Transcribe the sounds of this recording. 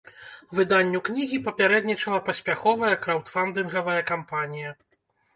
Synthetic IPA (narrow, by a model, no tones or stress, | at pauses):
vɨd̪anʲːuknʲiɣʲipɐpʲaɾɛd̪nʲit͡ʂɐlˠɐpɐsʲpʲaxɔvɐjɐkɾawt̪fand̪ɨnɣɐvɐjɐkampanʲijɐ